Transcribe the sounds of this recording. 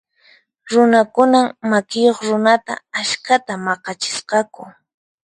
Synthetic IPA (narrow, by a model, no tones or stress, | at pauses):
ɾʊnakʊnammakɪjoχɾʊnat̪a̰ːʃkat̪amɑqɑt͡ʃɪ̥sqɑkʊ